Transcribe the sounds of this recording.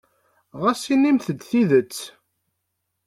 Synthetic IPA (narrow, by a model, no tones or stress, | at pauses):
ʁæsinimθəd̪θiðət͡sː